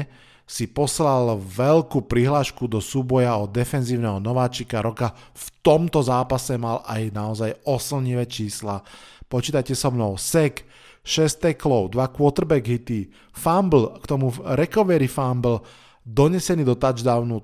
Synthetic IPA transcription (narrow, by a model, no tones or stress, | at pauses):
sipɔslalʋɛlkuːpɾiɦlaːʃkud̪ɔsuːbɔjaɔd̪ɛfɛnziːʊnɛɦɔnɔʋaːt͡ʃikaɾɔkaft̪ɔmt̪ɔzaːpasɛmalajnaɔzajɔsl̩ɲiʋɛt͡ʃiːslapɔt͡ʃiːt̪ajcɛsɔmnɔʊsɛk | ʃɛst̪ɛklɔʊd̪ʋakʊɔt̪r̩bɛɡɦit̪i | fambl̩kt̪ɔmuɾɛkɔʋɛɾifambl̩ | d̪ɔɲɛsɛniːd̪ɔt̪ad͡ʒd̪aʊnu